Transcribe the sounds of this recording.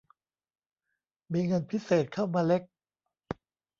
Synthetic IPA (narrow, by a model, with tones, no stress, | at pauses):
miː˧ŋɤ˧npʰi˦˥seː˨˩t̪̚kʰa˥˩wmaː˧le˦˥k̚